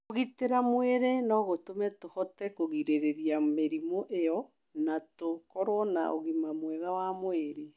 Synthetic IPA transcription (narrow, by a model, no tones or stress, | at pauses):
oɣiteɾamwɛɾenɔɣotomɛtohɔtɛkoɣiɾeɾeɾiameɾimoʔeɔ | natokɔɾwɔna̰ʔoɣimamwɛðawamweɾe